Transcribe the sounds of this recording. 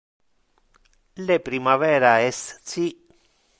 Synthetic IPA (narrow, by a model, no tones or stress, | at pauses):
lepɾimavɛːɾaɛssi